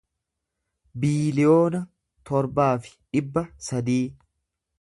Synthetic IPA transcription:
biːlɪjo̞ːnɐ | t̪ɔɾbaːfɪ̥ᶑɪbːɐsɐd̪iː

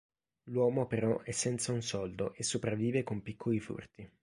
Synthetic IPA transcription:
lwɔːmopeɾɔʔɛsːɛnt̪saunsɔld̪oʔesːopɾavːiːvekompikʰːolifṵrt̪i

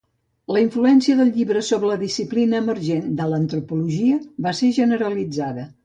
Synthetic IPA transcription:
ləiɱfluɛnsiəðəlˠʎiβɾəsoβɾələðisiplinəːməɾʒend̪ələnt̪ɾupuluʒiəβaseʒənəɾəlid͡zaðə

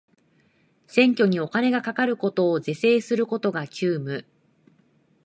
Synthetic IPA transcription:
sẽ̞ŋkʲo̞ɲ̟io̞kane̞ɡakakaɾɯ̟ko̞t̪o̞ːze̞se̞ːsɨɾɯ̟ko̞t̪o̞ɡakʲʰɨːmɯ̟

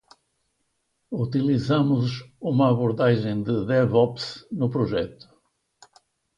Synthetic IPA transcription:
ut̪ilˠizamʊzumɐːβuɾðaʒẽj̃d̪ɨðɛvɔpsnʊpɾuʒɛt̪u̥

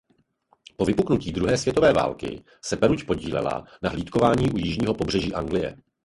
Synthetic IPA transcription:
po̞vɪpuknuciːdɾuɦɛːsvjɛt̪ovɛːva̰ːlkɪ̰ | sɛpɛɾucpo̞ɟiːlɛ̰la̰naɦliːt̪ko̞vaːɲiːʔujɪʒɲiːɦo̞pobr̝ɛʒiːʔaŋɡlɪjɛ̰

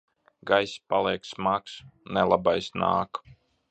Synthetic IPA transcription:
ɡajspalˠiɛksmaksnɛlˠabajsna̰ːk

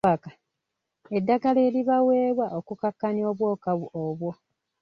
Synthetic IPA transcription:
akḁ | edːaɡaleːliβawe̞ːβwaʔokukakːanio̞ːβwo̞ːkaβuoːβwo̞

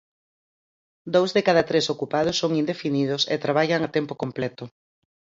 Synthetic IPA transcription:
d̪owzðekaðɐt̪ɾesokupað̞ʊsːoŋind̪efinið̞ʊsḛt̪ɾaβ̞aʎaŋat̪ɛmpokomplɛt̪ʊ

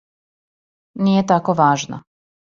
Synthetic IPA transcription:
nijet̪akoʋaːʒna̰

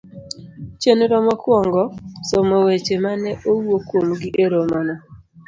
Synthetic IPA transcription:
t͡ʃenoɾɔmɔkwɔŋɡɔsɔmowet͡ʃemanɛʔowwokwomɡɪʔeɾomɔnɔ

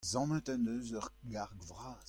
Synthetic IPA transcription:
zɑ̃mə̃t̪anøːzœʁɡaʁɡvʁaːz

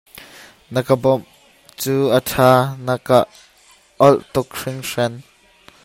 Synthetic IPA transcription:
nəkəbɔm | t͡suːʔətʰaːnɐkaʔ | ɔlʔt̪ukʂɪŋʂɛn

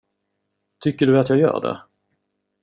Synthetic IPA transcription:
t̪ʰʏkːəɖɵat̪jɑːɡjœ̰ːɖɛ̰

